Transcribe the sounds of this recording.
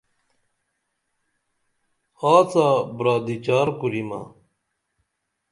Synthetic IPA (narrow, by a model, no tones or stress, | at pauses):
aːt͡sabɾaːd̪it͡ɕaːɾkuɾima̰